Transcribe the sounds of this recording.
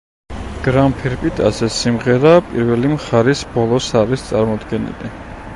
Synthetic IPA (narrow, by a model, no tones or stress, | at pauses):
ɡ̥ɾampʰiɾpʼit̪ʰʼa̰sɛsimʁɛɾapʼiɾvɛlimχaɾisbɔlˠɔsaɾist̪sʼaɾmɔd̪ɡɛnḭli